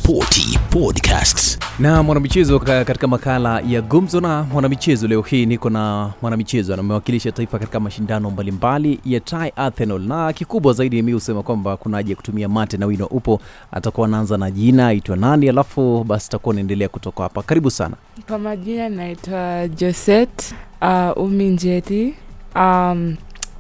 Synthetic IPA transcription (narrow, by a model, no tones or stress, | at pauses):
pʰɔtʰḭpʰɔdkʰa̰stsnamwanamit͡ʃɛzɔkati̥kamakalajaɡum̩zɔnamwanamit͡ʃɛzɔlɛɔhiːnikɔnamwanamit͡ʃɛzɔnamɛwakiliʃataifakati̥kamaʃindanɔmbalimbalijatʰajʔaθɛnɔlnakikuɓwazaiɗiamihusɛmakwambakunaaʄajaku̥tumiamatɛnawinɔʔupɔ | a̰takuwaːnaanzanaʄinaitwananialafuɓasiatakuwanaɛndɛlɛakutɔkahapakaɾiɓusa̰na̰ | kwamaʄinanaitwad͡ʒɔsɛtaʔumiɲd͡ʒɛtiam